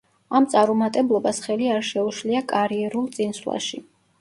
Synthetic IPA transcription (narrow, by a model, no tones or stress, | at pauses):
amt̪sʼaɾumat̪ʼɛblˠɔbasχɛliaɾʃɛuʃliakʼaɾiɛɾulˠt̪sʼinsla̰ʃi